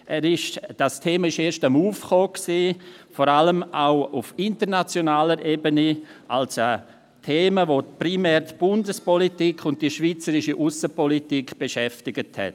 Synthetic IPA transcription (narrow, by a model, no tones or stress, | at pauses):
ʔɛɾɪʃd̥astʰeːməɪʃeːʃtamuːfχoːksiːfɔɾaləmaʊufɪntəɾnat͡sjonaːləɾʔeːbəniʔalsə | tʰeːməvoprimɛːɾdb̥ʊndəspɔlitikʰʊnt̚d̥iʃviːt͡səɾɪʃiʔusəpɔlitikb̥eʃɛftɪɡəthɛ̰t